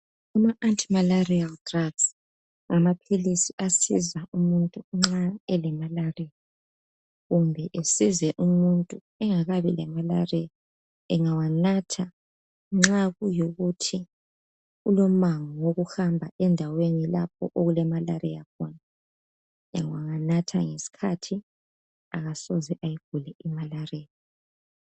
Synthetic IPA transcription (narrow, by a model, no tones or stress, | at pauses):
umaʔantʼimalarialdraɡ̥s | ŋamapʰilisiasizaʔumuntʼuŋ͡ǁaɛlɛmalarija | ɣumbʱɛʔesizɛʔumuntʼu | ɛŋaɣaβilɛmala̰rija | ɛŋawanatʰa | ŋ͡ǁaɣujoɣutʰi | ulom̩maŋɔwoɣuhambʱaʔɛndʱawenilap̚ʰɔʔoɣulɛmalarɛjakʰɔna | a̰ŋwaŋanatʰa̰ŋesi̥kʰatʰi | aɣasɔzɛʔajiɡ̥ʱulɛʔimalareːlɔ